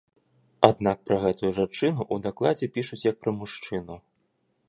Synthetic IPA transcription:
ad̪nak̚pɾɐɣɛt̪ujuʐant͡ʂɨnuʔud̪aklˠad͡zʲɛpʲiʂut͡sʲjɐk̚pɾɐmuʂt͡ʂɨnu

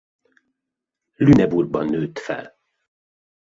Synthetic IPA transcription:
lynɛburɡbɒnːøːt̪fɛ̰l

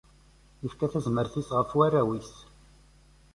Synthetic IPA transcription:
jəfkæθæzməɾθisʁəfwaræwis

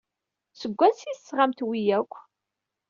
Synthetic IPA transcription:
səɡʷːænsiθsːʁamt̪wijækʷː

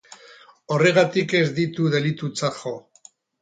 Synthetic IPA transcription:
o̞re̞ɣat̪ike̞zd̪it̪uðe̞lit̪ut͡saxo

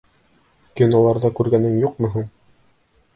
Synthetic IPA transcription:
kinŏlˠɑɾðɑkʉɾɡænɘŋjuq̚mɵ̆ɦuɴ

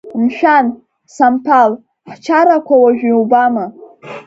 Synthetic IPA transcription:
mʃᶣan | sampʰal | ħt͡ʃʰaɾakʷʰawaʒᶣiwbama

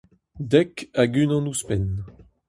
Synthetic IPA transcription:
d̪ɛkaɡynɑ̃nuspɛn

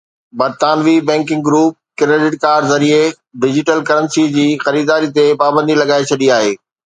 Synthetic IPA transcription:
bɐɾt̪aːnʋibɛ̃ːŋkɪ̃ŋɡɡɾuːp̚kɾeɖɪʈkaːɾɖzɐɾie | ɖɪd͡ʑɪʈəlkɐɾə̃nsid͡ʑiːxɐɾiːd̪aːɾit̪epaːbə̃nd̪ilɐɡaːet͡ɕʰɐɗiaːɦeː

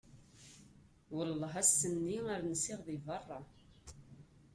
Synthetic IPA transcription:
wəlːəɦæsːənːiaɾnəsɪʁðivɑrˤːɑ

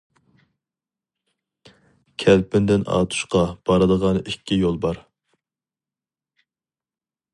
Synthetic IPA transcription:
kʲʰɛlpɪnd̪ɪnɑ̰ːt̪ʰu̥ʃqɑb̥ɑɾɨd̪əʁɑnikʲʰːijolˠbɑɾ

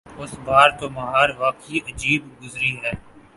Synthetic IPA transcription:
ʊsbaːɾt̪omɐɦaːɾʋaːkiʔɐd͡ʒiːbɡʊzɾiɦɛː

